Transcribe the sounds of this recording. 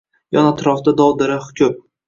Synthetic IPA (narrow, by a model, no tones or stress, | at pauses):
jɒnat̪ɾɒfd̪ad̪ɒwd̪ɪɾahʊ̥kʲʰʊm